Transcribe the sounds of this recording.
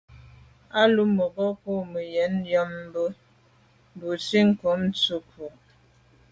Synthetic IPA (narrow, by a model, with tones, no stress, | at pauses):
a˦lu˦mo˨ɣə˦po˦˨mə˨jɛ˨˦n˦jɔ˦m̩ː˦bə˦˨ | bu˨si˦ŋ̩˨ko˨˦m˦t͡su˦kʰu˨